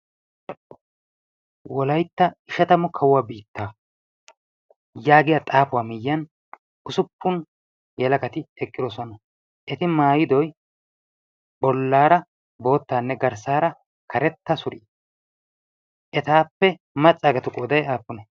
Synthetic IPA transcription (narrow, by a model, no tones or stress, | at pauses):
wɔlɐjt̪ːɐɪʃɐt̪ɐmɔkʰɐwʊwaːbiːt̪ːaː | jaːɡɪjat̪ʼaːpʊwaːmɪjːɐn | ʊsʊpːʊn | jɛlɐkʼɐt̪ɪɛkʼːɪd̪ɔsɔnɐ | ʔɛt̪ɪmaːjɪd̪ɔj | bɔlːaːɾɐ | bo̞ːt̪ːaːnːɛɡɐɾsaːɾɐ | kʰɐɾɛt̪ːɐsʊɾḭː | ʔɛt̪aːpːɛ | mɐt͡sʼːaːɡɐt̪ʊkʼoːd̪ɐjaːpːʊnɛ